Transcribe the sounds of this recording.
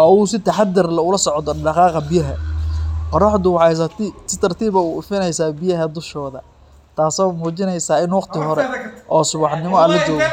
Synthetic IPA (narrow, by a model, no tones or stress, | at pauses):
ɐusɪt̪ʰɐħad̪ɪrlɐʊlɐsɔʕd̪ɔɖɑqɑːqɑbɪjɐɦɐ | qɔɾɑħd̪ʊwɑʕɑjsɐt̪sɪt̪ʰɐrt̪ʰiːβɐʊʊfɪnɛjsaːbɪjɐɦɐd̪ʊʃɔːðɐ | t̪ʰaːsɔːmuːt͡ʃɪnɛjsaːɪnwɑqt̪ʰɪɦɔɾɛʔɔːsʊβɑħnɪmɔɐlɐt͡ʃɔːɣɔ